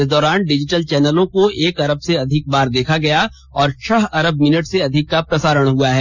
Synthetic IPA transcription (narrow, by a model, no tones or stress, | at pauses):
ɪsd̪ɔːɾaːnɖɪd͡ʒɪʈəlt͡ʃɛːnəlõkoeːkɐɾəb̚seɐd̪ʱɪk̚baːɾd̪eːkʰaɡɐja | ɔːɾt͡ʃʰɐɦɐɾəbmɪnəʈseɐd̪ʱɪkːapɾɐsaːɾəɽ̃ɦuaɦɛː